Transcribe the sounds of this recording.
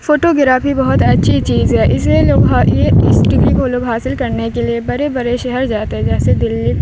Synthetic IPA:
foːʈoɡɪɾaːfibɐɦʊt̪ɐtːʃʰit͡ʃiːzɦɛːʔɪseloːɡɦajeɪsʈibʱikoloːɡɦaːsɪlkɐɾnekeliebɐɾebɐɾeʃɛɦɛɾd͡ʒaːt̪eɦɛ̃d͡ʒɛːsed̪ɪlːi

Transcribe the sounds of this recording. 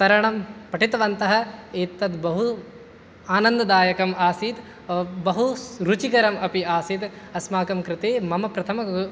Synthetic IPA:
t̪ɐɾɐɳɐmpɐʈit̪ɐʋɐnt̪ɐɦɐ̆eːt̪ːɐd̪bɐɦu | aːnɐnd̪ɐd̪aːjɐkɐmaːsiːt̪ | bɐɦuɾut͡ʃikɐɾɐmɐpiaːsit̪ | ɐsmaːkɐmkɾɪt̪eːmɐmɐpɾɐt̪ʰɐmɐ

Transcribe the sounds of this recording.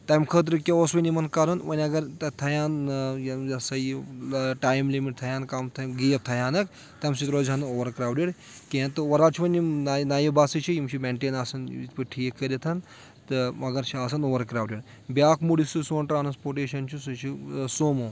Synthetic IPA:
t̪ɐjmkʰəːt̪̬ɾɨkʲeosʋɐnʲimɐnkaɾɐnʋɐnʲɐɡɐɾt̪ɐt̪ʰɐjaːnjjɐsɐjiʈaːjmlimiʈ̚t̪ʰɐjaːnkaːmt̪ʰɐɡijɐft̪ʰɐjaːnɐk | t̪ɐmsit̪ɾoːzʲɐnɨoːʋɐɾkɾaːwɖiɽ | keɐnt̪ɨʋɐɾaːt͡ʃʰiʋɐnʲinnajibaːsɨt͡ʃʰijimt͡ʃʰimeɳʈeːnaːsɐn̰ḭt̪pɨʈʰiːkʰːɐɾʲɐt̪ʰɐn | t̪ɨɐɡɐɾt͡ʃʰiaːsɐnoːʋɐɾkɾaːwɖiɽ | bʲjaːkʰmuɽisɨsoːnʈɾaːnspoːɾʈeːʃɐnt͡ʃʰisut͡ʃʰisoːmoː

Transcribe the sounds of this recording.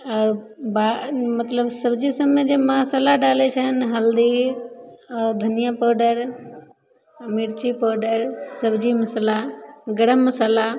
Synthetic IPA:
ɔːɾ | bamət̪ləbsəbd͡ʒisəmed͡ʒemasalaɖaːlet͡ʃʰənɦəld̪i | ɔːɾd̪ʱənijapəɖəɾ | miɾt͡ʃipɔːɖəɾsəbʱd͡ʒiməsəlaɡəɽəmːəsaːla

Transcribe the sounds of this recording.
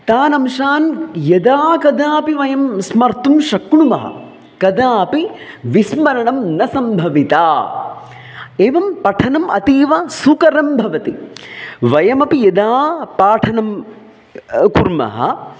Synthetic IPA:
t̪aːnɐmʃaːnjɐd̪aːkɐd̪aːpiʋɐjɐmsmɐɾt̪umʃɐkɳumɐɦɐ̰ | kɐd̪aːpi | ʋismɐɾɐɳɐmnɐsɐmbʱɐʋit̪aː | eːʋɐmpɐʈʰɐnɐmʔɐt̪iːʋɐsukɐɾɐmbʱɐʋɐt̪i | ʋɐjɐmɐpijɐd̪aːpaːʈʰɐnɐm | kuɾmɐ̰ɦɐ̰

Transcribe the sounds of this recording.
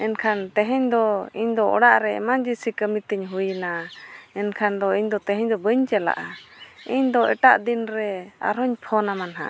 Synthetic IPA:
ɛnkʰant̪ɛɦɛɲd̪ɔiɲd̪ɔʔɔ̰ɽaʔɾɛɛ̰mand͡ʒisikəmit̪əɲɦujnaɛnkʰand̪ɔiɲd̪ɔt̪ɛɦɛɲd̪ɔbəɲt͡ʃɛla̰ʔaiɲd̪ɔʔɛ̰ʈaʔd̪inɾɛa̰ɾɔɲpʰɔnamanɦã̰ʔ

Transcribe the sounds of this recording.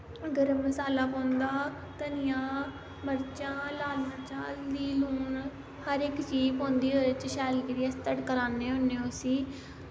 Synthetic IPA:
əɡəɾməsaːlaːpõːnd̪aː | t̪ənɪjãː | məɾt͡ʃãːlaːlməɾt͡ʃãːliːluːn | həɾɪkt͡ʃiːpõːnd̪iːɦoːət͡ʃʃɛːlkəɾiast̪əɽkəɾaːnẽːɦonːeːosiː

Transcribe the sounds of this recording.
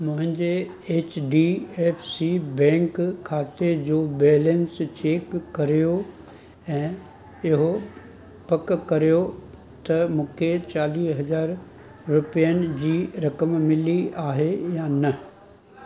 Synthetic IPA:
mʊ̃ɦɪ̃ɲd͡ʑe | eːt͡ɕɖiːeːfsibɛ̃ːŋkʰːaːt̪ed͡ʑoːbeːlə̃nst͡ɕeːkːɐɾijo | ɛ̃ː | ɪɦo | pɐkkɐɾijo | t̪ɐmũːkʰet͡ɕaːliːɦɐzaːɾ | ɾʊpijənɪ̆d͡ʑiːɾɐkəmmɪliaːɦejaːnɐ

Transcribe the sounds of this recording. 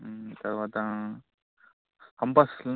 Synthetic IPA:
t̪ɐɾʋat̪ã | kɐmpasl

